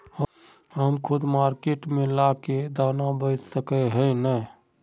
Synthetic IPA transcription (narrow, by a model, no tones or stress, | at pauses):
ɦəmkʰʊd̪maɾkeʈmelaked̪anabəɪssəkəɦəjnəj